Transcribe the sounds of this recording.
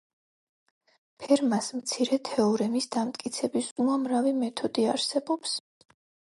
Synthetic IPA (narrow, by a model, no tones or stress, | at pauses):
pʰɛɾmasmt̪sʰiɾɛt̪ʰɛɔɾɛmisd̪amt̪ʼkʼit̪sʰɛbisuamɾavimɛt̪ʰɔd̪iaɾsɛbɔps